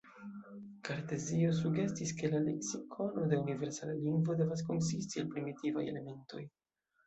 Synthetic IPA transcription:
kaɾte̞zio̞s̬uɡe̞stiske̞lale̞̰ksikʰo̞no̞de̞unive̞ɾsalaliŋɡvo̞de̞vasko̞ns̬istielpɾimitiva̰jḛle̞me̞nto̞̰j

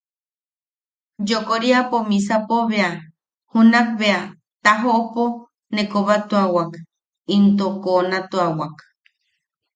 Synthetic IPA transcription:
d͡ʒokoɾiapomĩs̬apoβea | hunak̚βea | t̪aɦoʔopo | nekoβat̪uawak | int̪okonat̪uawak

